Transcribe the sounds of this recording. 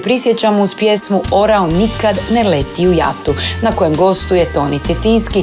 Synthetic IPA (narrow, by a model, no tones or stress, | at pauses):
pɾisjet͡ɕamouspjesmuo̞ɾaonikad̪nelet̪iuja̰t̪unako̞je̞mɡo̞st̪ujet̪o̞nit̪set̪inski